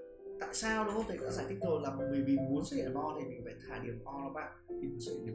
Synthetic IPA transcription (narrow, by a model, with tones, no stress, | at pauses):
t̪a̰ː˧˨jsaː˧wɗɔ˨˦˧ŋ͡mt̪ʰːɔ̰ː˧˥zaː˧˩jt̪ʰi˦˥k̚zo˨˩t̚laː˨˩m˨˩mɨ˨˩əjmï˨˩ŋmu˨˦ənzə˧˦ə˨˩mʔɔ˧t̪ʰi˨˩mi˨˩ŋ̟fa̰ː˧˨t̪ʰaː˧˩ɗi˧˩əm˩ʔɔ˧lɔ˨˦ɓa̰ː˧˨˩mi˨˩ŋzə̰˧˩nḭ˧˨˩